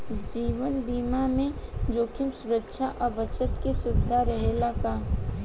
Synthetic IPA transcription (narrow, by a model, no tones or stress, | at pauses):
d͡ʒiːwənbiːmamẽd͡ʒoːkʰɪmsʊɾəkːʃʰaʔɔbət͡ʃət̪kesʊdd̪ʱːaɾəɦelaka